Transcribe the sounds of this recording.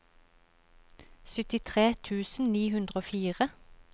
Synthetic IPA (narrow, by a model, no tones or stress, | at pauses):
sʏt̪ɪt̪ʰʁeːt̪ʰʉːsn̩niːhʉnd̪ʁəoːfiːʁə